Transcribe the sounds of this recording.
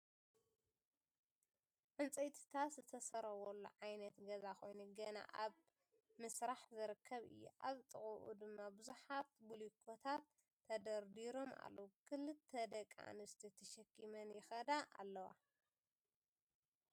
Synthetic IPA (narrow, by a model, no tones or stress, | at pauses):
ʕɨnt͡sʼɐjt̪ʰi̥t̪ʰaszɨt̪ʰɐsɐɾɐwɔlːṵʕajnɐt̪ɡɐzakʰo̞jnuɡɐna̰ʔaβ | mɨsɾaħzɨɾɨkʰːɐβɨ̰jːṵʔa̰βt̪ʼɨχʼuʔṵd̪ɨmːabɨzuħat̪̚bulikʰot̪ʰat̪ʰː | ɐd̪ɐɾd̪iɾo̞ma̰lːɐwukʰɨlɨt̪ʰːɐd̪ɐkʼːa̰nɨst̪ʰit̪ʰɐʃɐkʰːimɐnjɪxɐd̪aʔa̰lːɐwa̰